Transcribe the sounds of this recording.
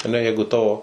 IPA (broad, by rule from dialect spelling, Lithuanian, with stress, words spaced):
ɐˈnʲɛ ˈjɛɪɡʊ ˈtɑːʋoː